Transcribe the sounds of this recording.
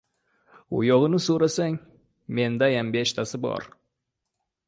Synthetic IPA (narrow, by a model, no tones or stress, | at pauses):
ʊ̰jɒʁɨnɪsoɾasaŋ | me̞nd̪ajambe̞ʃt̪ʰasɪbɒ̰ɾ